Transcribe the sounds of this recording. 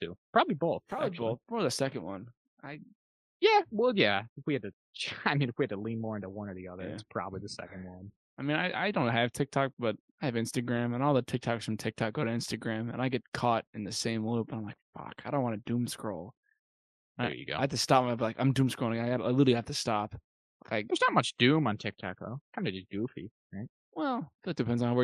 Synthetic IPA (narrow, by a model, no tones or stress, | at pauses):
tʰʉ̰pʰɹ̥ɑbəbliboʊθpʰɹ̥ɑbliboʊθɔðɨsɛkɨ̃n̩ʔwʌ̃n | ʔaɪ | jæwɛlˠjæfwiɨd̚tɨ | t͡ʃʰaɪmĩnfwiɨd̚təlĩnmɔɹɪ̃ntəwʌ̃nə˞ðiʌðə˞æ̰spʰɹ̥ɑ̰bəbliðɨsɛ̰kɨ̃n̩d̚wʌ̃n | aɪmĩnaɪʔa̰ɪdõʊ̃nt̚ɦɨv̥tʰɪk̚tʰɑk̚b̥ʌɾ | aɪɨvɪ̃nstɨɡɹæ̃mə̃nɔlˠðətʰɪk̚tʰɑksfɹʌ̃mtʰɪk̚tʰɑk̚ɡ̥oʊɾɨɪ̃nstɨɡɹæ̃mɨ̰̃naɪɡɛt̚kʰɔɾɨ̃nðɨsẽɪ̃mlopnãɪ̃mlaɪk̚fʌ̰kaɪɾõʊ̃nʔwɑ̃nɨdũmskɹoʊlˠ | naɪ̰jɨ̰ɡo̰ætʰɨstɑp̚mabtlaɪkãɪ̃mdʉ̃mskɹol̃ˠɡaɪɡɑɾaɪlɪɾl̩ˠiɡɑtʰɨstɑp | aɪðə˞znət̚mʌt͡ʃd̥ʉ̃mə̃ntʰɪk̚tʰɑ̰k̚ðo̰ʊkʰãɪ̃ndɨd͡ʒʌsɡ̥ʉfḭɹaɪt̚ | wɛlˠðt̚d̥ɨpʰɛ̃ndzn̩haʊwə